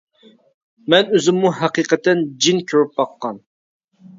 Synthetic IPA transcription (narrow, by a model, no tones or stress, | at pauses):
mɛnøzɪmːuɦæqiːqɛt̪ɛnd͡ʒinkʲʰøɾyp̚bɑqːɑn